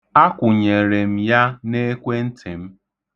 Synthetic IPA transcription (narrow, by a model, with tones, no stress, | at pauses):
a˦kʷʊ˨ɲe˨ɾe˨m̩˦ja˦ne˦kʷe˦n̩˦tʰe˨m̩˦